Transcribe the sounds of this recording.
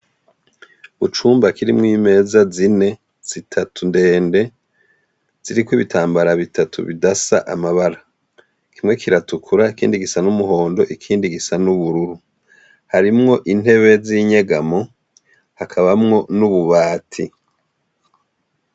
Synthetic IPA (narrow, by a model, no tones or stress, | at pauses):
βut͡ʃuːmbakiɾimŋiːme̞ːzazine̞ | z̥itʰatʰunde̞ːnde̞ | z̥iɾikwiβitʰaːmbaɾaβitatʰṵβḭdasa̰ʔamaβaɾa | kʰimŋe̞kʰiɾatukʰuɾaikiːndiɡisanumuho̞ːndo̞ʔikʰiːndiɡisanuβuɾuɾu | haɾimŋo̞ʔin̥he̞βe̞ziːɲeɡamo̞ | hakʰaβamŋo̞nuβuβaːtʰi